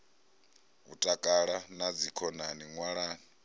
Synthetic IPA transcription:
ṵtʼakʼaɺanad͡zikʰɔnaniŋwaɺaːni

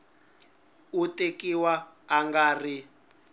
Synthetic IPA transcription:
utekiwaː | ŋɡaːri

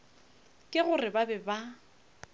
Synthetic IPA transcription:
kʼɪɣʊrɪbabɛba

